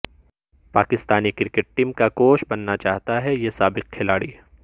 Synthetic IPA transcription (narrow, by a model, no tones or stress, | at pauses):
paːkɪst̪aːnikɪɾkeʈ̚ʈiːmkakoːʃbɐnːat͡ʃaːɦt̪aɦɛjesaːbɪqkʰːɪlaːɽi